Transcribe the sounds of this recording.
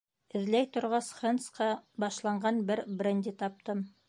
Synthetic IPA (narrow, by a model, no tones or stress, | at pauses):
ɘ̆ðlæjt̪ŏɾʁɑsχɤnsqɑbɑʃlˠɑɴɢɑnbɘɾbrɘ̆nʲd̪ʲit̪ɑp̚t̪ɤm